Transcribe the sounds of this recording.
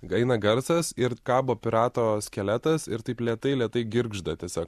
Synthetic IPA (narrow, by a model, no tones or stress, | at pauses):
ɐɪnɐɡɐɾsɐsɪɾkɑːboːpʲɪɾɑːt̪oːsʲkʲɛlʲæt̪ɐsɪɾt̪ɐɪplʲiɛt̪ɐɪlʲiɛt̪ɐɪɡʲɪɾɡʒd̪ɐt̪ʲiɛsʲoːk